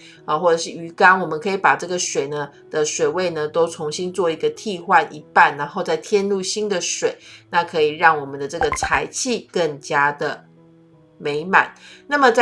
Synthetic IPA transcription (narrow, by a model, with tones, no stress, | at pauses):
ə˩xwɔ˥˩ʈ͡ʂɤ˨˩ʂɻ̩˥˩y˧˥ka˥nwɔ˨˩mə˦nkʰɤ˧˥i˧˩pa˨˩ʈ͡ʂɤ˥˩ɡə˩ʂwe˨˩ɪnə˦ | d̪̥ə˨ʂwe˨˩ɪwe˥˩ɪnə˨t̪o˥ʊt͡sʰʊ˧˥ŋɕi˦nt͡swɔ˥˩i˧˥ɡə˧t̪ʰi˥˧xwa˥˩nʔi˧˥pa˥˩nɻa˧˥nxo˥˧ʊt͡sa˥˩ɪt̪ʰjɛ˥˧nlu˥˧ɕi˥nd̪ə˨ʂwe˨˩˦ɪna˥˩kʰɤ˧˥i˨˩ɻɑ˥˩ŋwɔ˨˩mə˦nd̪ə˨ʈ͡ʂɤ˥˩ɡə˩t͡sʰa˧˥ɪt͡ɕʰi˥˨kə˥˩ŋt͡ɕja˥d̪ə˩ | me˧˥ɪma̰˨˩˦nna˥˩mə˨t͡s